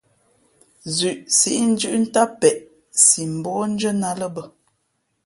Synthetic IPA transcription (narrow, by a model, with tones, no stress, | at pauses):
zʉ˨ʔsi˦ʔn̩˦d͡ʒʉ˦ʔn̩˦ta˦pɛ˨ʔ | si˨m̩˨bɔː˦n̩˦d͡ʒə˦na˨lə˦bə˨